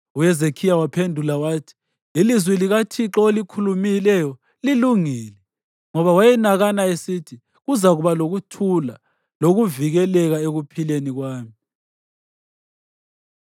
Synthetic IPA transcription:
ujɛzekʰijawapʰendʱulawaːtʰi̥ | ilizwɛliɣatʰiǁɔolikʰulumilɛjɔ | liluŋiːlɛ | ŋɔβawajɛnaɣanaesitʰi | ɣuzaɣuβaloɣutʰula | loɣuviɣɛlɛɣaeɣupʰileniɣwaːmi

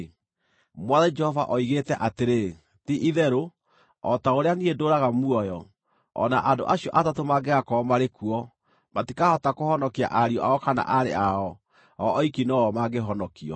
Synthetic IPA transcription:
mwaðɛd͡ʒɛhɔvaʔɔiɣetɛʔateɾe | tiʔiðɛɾo | ɔ̰taoɾeaniedoːɾaɣamuɔjɔ | ɔ̰naʔado̰ʔaɕijɔʔatatomaɡeɣakɔmaɾekuɔ | matikahɔtakohɔnɔkea̰ʔaɾiɔʔaɔkana̰ʔaɾḛaɔ | ɔʔɔikinɔɔmaɡeɦɔnɔkiɔ̰

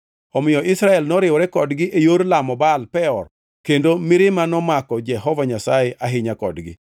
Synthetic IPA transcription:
ɔmɪjɔʔɪsɾaɛlnɔɾɪwɾɛkɔdɡɪʔejoɾlamɔbalpɛɔr | kendomɪɾɪmanɔmakɔd͡ʒɛɦɔvaɲasajɛʔʔaɦɪɲakɔ̰dɡɪ̰

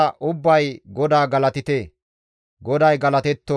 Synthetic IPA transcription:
ɐʔʊbːɐjɡɔd̪aːɡɐlɐt̪ɪt̪e | ɡɔd̪ɐjɡɐlɐt̪ɛt̪ːɔ

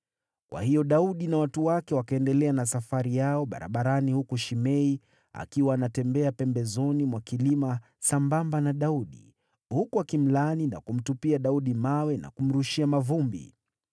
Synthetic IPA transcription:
kwʔa̰hijɔɗauɗinawatuwakɛwakaɛndɛlɛanasafaɾijaɔɓa̰ɾa̰ɓaɾanihukuʃimɛi | a̰kiwaːnatɛmbɛapɛmbɛzɔnimwakilima | sambambanaɗauɗḭ | hukuakim̩lanina̰kum̩tupiaɗauɗimawɛna̰kum̩ɾuʃiamavumbḭ

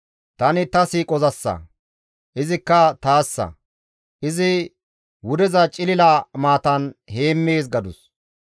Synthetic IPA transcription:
t̪ɐnɪt̪ɐsiːkʼɔzɐsːɐ̰ | ʔɪzɪkːɐt̪aːsːɐ̰ | ʔɪzɪ | wʊd̪ɛzɐt͡ʃʼɪlɪlaːmaːt̪ɐnhe̞ːmːeːs̬ɡɐd̪ʊs

